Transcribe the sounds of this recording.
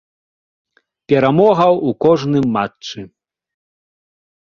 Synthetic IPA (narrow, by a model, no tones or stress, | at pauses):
pʲɛɾamɔɣɐwukɔʐnɨmːatt͡ʂɨ